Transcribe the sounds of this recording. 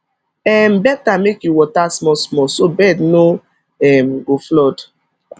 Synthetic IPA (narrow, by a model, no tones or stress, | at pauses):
ɛmbɛtamekjuwɔtasmɔsmɔsobɛdno | ɛmɡoflɔd